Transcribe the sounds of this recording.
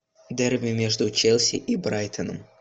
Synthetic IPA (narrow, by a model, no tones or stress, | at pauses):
d̪erʲvʲɪmʲeʐd̪ʊt͡ɕelʲˠsʲɪ̰ʔibɾajt̪ʰənə̰m